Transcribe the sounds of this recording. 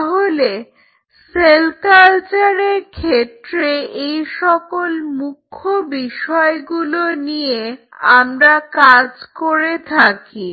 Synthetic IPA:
t̪ɔɦole | selkalt͡ɕaɾeɾkʰet̪ːɾeejʃɔkolmukʰːobiʃɔeɡulonijeamɾakad͡ʑkoɾet̪ʰaki

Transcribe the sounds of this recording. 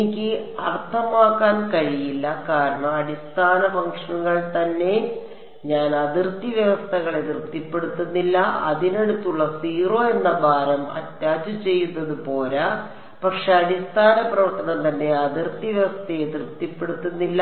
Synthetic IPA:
ikʲːɨ | ɐrt̪ʰɐmaːkːaːnkɐɻijilːɐkaːɾɐɳɐmɐɽist̪ʰaːnɐfɐŋkʂɐnuɣɐɭt̪ɐnːe̞ | ɲaːnɐðirt̪ːiʋjɐʋɐst̪ʰɐɣɐɭet̪irt̪ipːe̞ɽut̪ːunːilːɐɐ̰ðine̞ɽut̪ːuɭːɐsiːro̞ːe̞nːɐbʱaːɾɐmɐ̰tjaːd͡ʑut͡ɕe̞jːunːɐðupo̞ːlɐ | pɐkʂeɐɽist̪ʰaːnɐprɐʋɐrt̪ːɐnɐnt̪ɐnːe̞ɐðirt̪ːiʋjɐʋɐst̪ʰɐet̪rt̪ːipːe̞ɽut̪ːunːilːɐ

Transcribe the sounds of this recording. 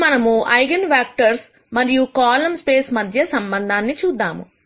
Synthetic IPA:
mɐnɐmuʔɐjɡɐnʋaːk̚ʈɐɾs | mɐɾijukaːlɐmspeːsmɐd̪ʱjɐsɐmbɐnd̪ʱaːnːit͡ʃuːd̪ːaːmṵ

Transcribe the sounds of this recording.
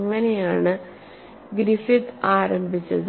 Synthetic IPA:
ŋːɐne̞jaːɳɨ | ɡɾifit̪ːɨaːɾɐmbʱit͡ɕːɐð

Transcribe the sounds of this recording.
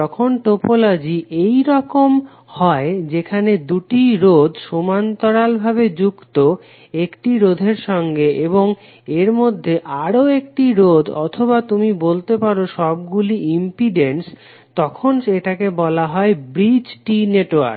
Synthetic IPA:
ɔkʰonʈopolad͡ʑiʔejɾɔkom | hɔed͡ʑekʰaned̪uʈiɾod̪ʱʃomant̪ɔɾalbʱaβed͡ʑukt̪o | ekʈiɾod̪ʱeɾʃɔŋɡeʔeboŋ | eɾmod̪ʱːeʔaɾoek̚ʈiɾod̪ɔ̰t̪ʰobat̪umibolt̪epaɾoʃɔb̚ɡuliimpiɖens | t̪ɔkʰonʃeʈakebɔlaɦɔebɾid͡ʑʈineʈoa̰ɾ

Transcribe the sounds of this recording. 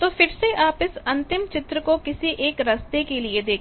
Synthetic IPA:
t̪oːfɪɾseʔaːpɪsɐ̃nt̪ɪmt͡ʃɪt̪ɾəkokɪsiʔeːkɾɐst̪ekelied̪eːk

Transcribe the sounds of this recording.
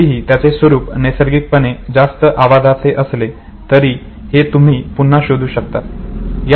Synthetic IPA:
iɦiːt̪jat͡sesʋəɾuːpnesəɾɡik̚pəned͡zast̪əʔaʋad̪ʱaseʔəsle | t̪əɾiː | het̪um̤iːpun̤ːaɕod̪ʱuːɕək̚t̪at̪j

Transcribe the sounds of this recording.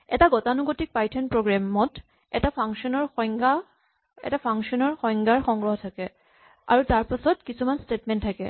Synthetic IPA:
ɛ̰taɡɔtanuɡotik̚pajtʰɔnpɹoɡɹamɔt | ɛ̰tapʰaŋʃɔnɔɹxɔŋɡa | ɛ̰tapʰaŋʃɔnɔɹxɔjŋɡaɹxɔŋɡɹɔɦɔtʰakɛ | a̰ɹutaɹpasɔtkisumanstetmɛntʰakɛ̰

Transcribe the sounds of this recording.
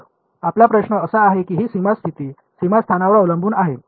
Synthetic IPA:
aplapɾəɕɳəəsəaɦekiːɦiːsimast̪ʰit̪iː | simast̪ʰanaʋəɾəwləmbʱuːnaɦe

